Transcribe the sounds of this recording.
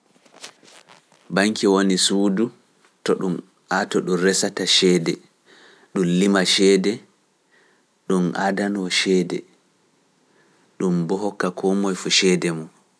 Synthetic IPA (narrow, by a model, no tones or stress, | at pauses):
baŋkiwonisuːdu | tɔɗum | atɔɗumrɛsataʃɛːdɛ | ɗumlimaʃɛːdɛ | ɗumʔa̰danwɔʃɛːdɛ̰ | ɗumbɔɦɔkːakʰɔmɔjfuʃɛdɛmɔ